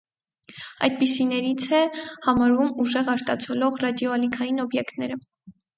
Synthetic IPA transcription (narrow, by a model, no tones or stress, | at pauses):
ɑ̰jd̪̚pisinɛɾit͡sʰɛhɑmɑɾvumuʒɛʁɑɾt̪ɑt͡sʰɔlɔʁrɑd̪jɔɑlikʰɑjinɔbjɛkt̪nɛɾə